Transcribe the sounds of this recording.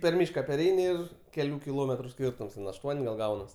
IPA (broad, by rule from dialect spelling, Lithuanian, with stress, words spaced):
pʲɛr ˈmʲiːʃkɐ pʲɛrʲˈɛɪnʲɪ ˈɪr kʲɛˈlʲuː kʲɪˈlˠoːmʲɛtrʊ ˈsʲkʲiːrtʊms tʲɛn ɐʃˈtuɔnʲ ɡɐlˠ ˈɡɐʊnɐs